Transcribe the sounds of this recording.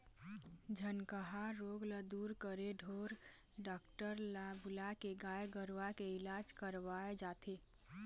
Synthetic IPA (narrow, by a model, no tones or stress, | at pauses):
d͡ʒʱənkəɦaɾoːɡləd̪uːɾkəɾeɖʱoːɾ | ɖaːkʈəɾlabʊlakeɡaːjɡəɾʋakeɪlaːd͡ʒkəɾʋaːed͡ʒaːt̪eː